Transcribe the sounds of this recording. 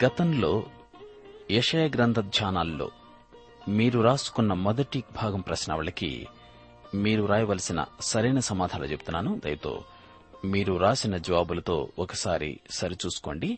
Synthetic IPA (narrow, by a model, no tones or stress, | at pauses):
ɡ̥ɐt̪ɐmlo̞ː | jɛʂɐjaːɡɾɐnd̪ʱɐd̪ʱjaːnaːlːo̞̰ː | miːɾuɾaːsu̥kunːɐmɔd̪ɐʈibʱaːɡɐmpɾɐsnɐ̰ʋɐɭɐkḭ | miːɾuɾaːjɐʋɐlɐsinɐ̰sɐɾɐjnɐsɐmaːd̪ʱaːlut͡ʃebut̪unːaːnud̪ɐ̰jɐt̪o̞̰ː | miːɾuɾaːsinɐd͡ʒɐʋaːbulɐt̪o̞̰ːɔkɐsaːɾḭsɐɾit͡ʃuːsu̥ko̞ːɳɖi